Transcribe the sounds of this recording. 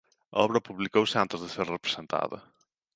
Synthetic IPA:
aɔβɾɐpuβlikowsɪant̪ezðɪseɾrepɾe̥sẽnt̪a̰ðɐ̰

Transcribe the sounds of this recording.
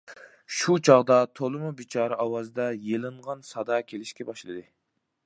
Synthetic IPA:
ʃut͡ʃʰɑʁd̪ɑt̪ʰolˠɨmubit͡ʃʰɑːɾɑʔɑwɑzd̪ɑjelˠɨɴʁɑnsɑd̪ɑkʲʰelɪʃkʲɛbɑʃlˠɨd̪ɨ

